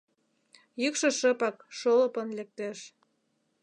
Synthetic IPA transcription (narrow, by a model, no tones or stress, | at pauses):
jykʃɤ̆ʃəpɑkʃolɤpə̆nlek̚t̪eʃ